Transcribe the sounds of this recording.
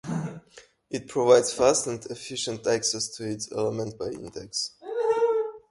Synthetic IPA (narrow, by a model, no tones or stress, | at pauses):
ɪt̚pʰɹ̥ovaɪdz̥fastə̃ntʰɛfɪʃə̃ntæksɛstʰɨɪtsɛ̰ləmə̃nt̚b̥aɪɪ̰̃ndɛks